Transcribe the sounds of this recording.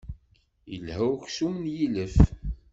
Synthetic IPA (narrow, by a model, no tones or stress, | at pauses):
jə̰lhæwçsumənjiləf